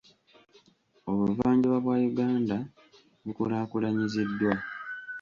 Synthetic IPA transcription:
o̞βuvaːɲɟiβaβwaːjuɡaːnda | βukulaːkulaɲizidːwa

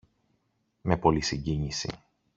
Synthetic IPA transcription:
me̞po̞lisiɲɟiɲisḭ

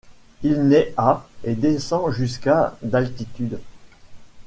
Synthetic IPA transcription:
ilnɛaed̪esɑ̃ʒys̬kad̪alt̪it̪yd̪

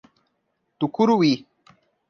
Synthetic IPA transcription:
t̪ukuɾuwi

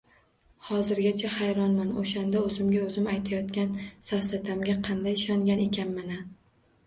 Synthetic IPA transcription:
hɒzɪɾɡʲat͡ʃʰahajɾɒnmanoʃand̪aɵzɪmɡʲaɵzɪmajt̪ʰajɒt̪kʲansafsat̪ʰamɡʲaqʰɑnd̪ajɪʃɒŋɡʲane̞kʲʰanmɪna

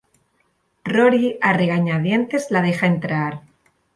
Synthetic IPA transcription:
roɾiare̞ɣaɲað̞je̞nt̪e̞zlað̞e̞xae̞nt̪ɾaɾ

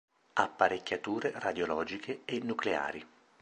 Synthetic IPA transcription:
apːaɾekʲːat̪uːɾerad̪jolɔːd͡ʒikʰeːnːuklea̰ːɾi

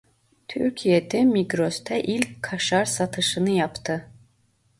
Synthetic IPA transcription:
t̪ʰyɾcʰijed̪ɛmiɡɾost̪ʰɛʔilʲckʰːaʃaɾsat̪ʰɯʃɯnɯjapt̪ʰɯ

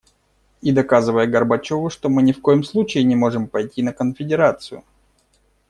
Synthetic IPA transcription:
id̪ɐkazɨvəjəɡərbɐt͡ɕo̞vʊʂt̪o̞mɨnʲɪfko̞jɪmslˠut͡ɕɪjɪnʲɪmo̞ʐɨmpɐjtʲinəkənfʲɪdʲɪɾat̪sɨjʊ̰

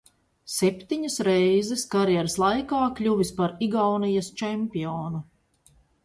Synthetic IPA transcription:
sɛpʲt̪iɲɐsɾejzɛskaɾjɛɾslˠajkaːkʎʲuvispaɾiɡawnijɐst͡ʃɛmʲpiɔːnu

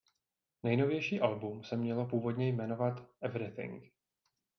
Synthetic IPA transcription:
nɛjno̞vjɛjʃiːʔalbumsɛmɲɛlo̞puːvo̞dɲɛjmɛno̞vat̪ʔɛvɾɪθɪ̰ŋk

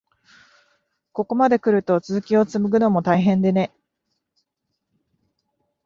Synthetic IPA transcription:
ko̞ko̞mad̪e̞kɯ̟ɾɯ̟t̪o̞t͡sɨzɨkʲio̞t͡sɨmɯ̟ɡɯ̟nomo̞t̪aiɦẽ̞nd̪e̞ne̞

